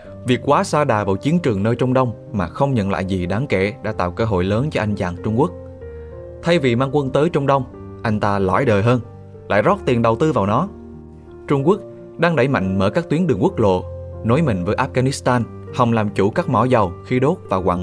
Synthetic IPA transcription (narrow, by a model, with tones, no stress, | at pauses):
vi˨˩ək̚kwaː˨˦saː˧ɗaː˨˩vaː˨˩wt͡ɕi˨˦ənt͡ɕɨ˨˩əŋnəː˧jt͡ɕɔ˧wŋ͡mɗə˧wŋ͡m | maː˨˩xə˧wŋ͡mɲə̰˧˨nla̰ː˧˨jzi˨˩ɗaː˨˦ŋkɛ˧˩˨ɗa̰ː˧˥t̪a̰ː˧˨wkəː˧ɦo̰˧˨jləː˨˦nt͡ɕɔ˧ʔa˧jŋ̟t͡ɕaː˨˩nt͡ɕʊ˧ŋ͡mku˦˥ək̚ | t̪ʰa˧jvi˨˩maː˧ŋkwə˧nt̪əː˨˦jt͡ɕɔ˧wŋ͡mɗə˧wŋ͡m | ʔa˧jŋ̟t̪aː˧lɔ̰˧˩jɗəː˨˩jɦəː˧n | la̰ː˧˨jzɔ˦˥t̚t̪i˨˩ənɗə˨˩wt̪ɨ˧vaː˨˩wnɔ˨˦ | t͡ɕʊ˧ŋ͡mku˦˥ək̚ | ɗaː˧ŋɗə˧˩jma̰˧˨jŋ̟məː˧˩kaː˦˥k̚t̪wi˨˦ənɗɨ˨˩əŋkwək̚lo̰˧˨no˨˦jmï˨˩ŋ̟vəː˨˦jʔaː˦˥ɣaː˧ni˦˥st̪aː˧n | hɔ˨˩wŋ͡mlaː˨˩mt͡ɕu˧˩kaː˦˥k̚mɔ̰˧˩zə˨˩wxi˨˦ɗo˦˥t̚vaː˨˩kwa̰ː˧˨